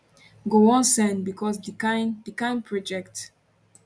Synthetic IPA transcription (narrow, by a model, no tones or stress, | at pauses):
ɡoɔ̃nsɛ̃nbikʰɔsdikãɪ̃ndikãɪ̃npʰɹɔd͡ʒɛkt